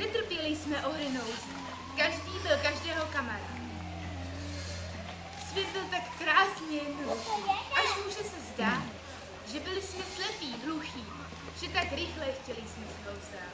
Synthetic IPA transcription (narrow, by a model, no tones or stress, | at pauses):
nɛt̪r̩pjɛlɪsmɛʔoɾɪnowz | kaʒdiːbɪlkaʒdɛːɦo̞kamaɾa̰ːt̪ | svjɛt̪̚bɪlt̪akːɾaːsɲɛɦluxiːʔaʃmuːʒɛsɛzdaːt̪ | ʒɛbɪlɪsmɛslɛpiːɦluxiː | ʒ̥ɛt̪akɾɪxlɛxcɛlɪsmɛsnowzɛ